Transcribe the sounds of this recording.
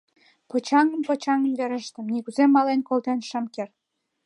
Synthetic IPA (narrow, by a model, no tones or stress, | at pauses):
pot͡ɕɑŋəmpɤ̆t͡ɕɑŋəmveɾə̆ʃt̪ə̆mnikuzemːɑlenkolt̪enʃɑmker